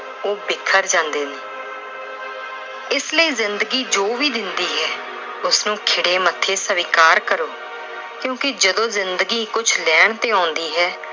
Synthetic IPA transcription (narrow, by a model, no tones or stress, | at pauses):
oːbɪkʰːəɾd͡ʒãːnd̪eːneː | ɪsləiːzɪnd̪əɡiːd͡ʒoːʋiːd̪ɪnd̪iːɦɛː | ʊsnũːkʰɪɽeːmət̪ʰːeːsəʋɪkaːɾkəɾoː | kjõːkɪd͡ʒəd̪õːzɪnd̪əɡiːkʊt͡ʃʰlɛːɳ̃t̪eːãːnd̪iːɦɛː